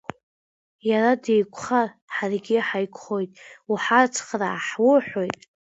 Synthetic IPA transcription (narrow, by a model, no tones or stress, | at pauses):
jaɾadejkʷʰʼχa | ħarɡʲɪħajkʷʰʼχo̞jtʼuħat͡sʰʼχra̰ːħwʊħojtʼ